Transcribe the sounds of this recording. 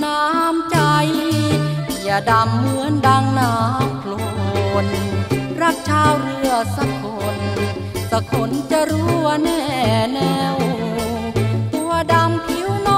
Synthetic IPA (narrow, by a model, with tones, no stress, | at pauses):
naː˧˦˥mt͡ɕa˧j | ja˧˩da˧mːɯ˧˥ənda˧ŋnaː˦˥mkʰlo˧n | ɾa˧˩p̚t͡ɕʰaː˧wɾɯ˧əsa˧˦kʰo˧˩n | sa˧kʰo˧˩˥nt͡ɕa˧ɾuː˦˥˧nɛː˧˩nɛ˧w | t̪u˧ɐda˧mkʰi˧˦˥wnɔ˧